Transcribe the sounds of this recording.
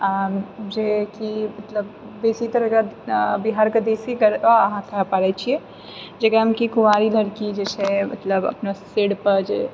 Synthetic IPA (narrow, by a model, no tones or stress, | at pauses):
ad͡ʒekimɐt̪ləbː | eːsit̪əɾəkabiɦaːɾkəd̪esiɡəɾaɦãk̪ʰapaɾɛt͡ʃʰiɛ | d͡ʒekaɦəmkikuʋaːɾiləɾkid͡ʒet͡ʃʰɛmɐ̰t̪ləbɐ̰pnaseɽpəɾd͡ʒḛː